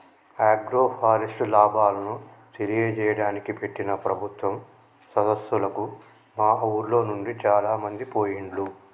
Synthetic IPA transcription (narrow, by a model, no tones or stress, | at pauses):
aːɡɾoːpʰaːɾisʈlaːbʱaːlɐnut̪eɾijeːt͡ʃɛːjɐɽaːnikipe̞ʈːinɐpɾɐbʱut̪ʋɐm | sɐd̪ɐsʋulɐku | maːɐwuɾlo̞ːnuɳɖit͡ʃaːlaːmɐnd̪ipoːjiɳɖlu